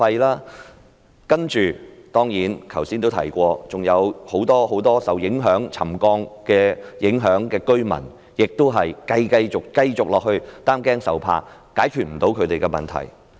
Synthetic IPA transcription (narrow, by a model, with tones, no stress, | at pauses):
fɐ˧jlaː˥ | kɐ˥nt͡ʃyː˨t̪ɔː˥ŋjiː˨˥nkʰɐ˨˩wsiː˥nt̪o˥wt̪ʰɐ̰˨˩jkʷɔː˧t͡sʊ˨ŋjɐ˨˧who˨˥wt̪ɔː˥ho˨˥wt̪ɔː˥sɐ˨wjɪ˨˥ŋɦœː˨˥ŋt͡sʰɐ̰˨˩mkɔː˧ŋkɛː˧jɪ˨˥ŋɦœː˨˥ŋkɛː˧kɵ˥ɥmɐ̰˨˩n | jɪ˨k̚t̪o˥wɦɐ˨˩jkɐ˧jkɐ˧jt͡sʊ˨k̚kɐ˧jt͡sʊ˨k̚lɔː˨k̚hɵ˧ɥt̪aː˥mkɛː˥ŋsɐ˨wpʰa̰ː˧˥kaː˨˥jkʰyː˨t̚m̩˨˩t̪o˨˥wkʰɵ˨˧˥t̪e˨jkɛ˧mɐ˨nt̪ʰɐ̰˨˩j